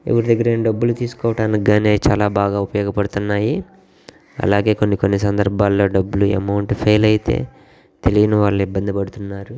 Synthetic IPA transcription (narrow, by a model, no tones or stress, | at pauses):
e̞̰ʋɐɾud̪ɐɡːɐɾeːnɖɐbːulut̪iːsu̥kɔːʋɐʈaːnikɡaːne̞ːt͡ʃaːlaːbaːɡaːupɐjɔːɡɐpɐɽut̪unːaːji | ɐ̰laːɡe̞ːko̞nːikonːisɐnd̪ɐɾbʱaːlːo̞ːɖɐbːuluḛmɐwɳʈpʰeːjlɐjit̪ḛː | t̪e̞liɡinɐʋaːɭːuibːɐnd̪ipɐɽut̪unːaːɾu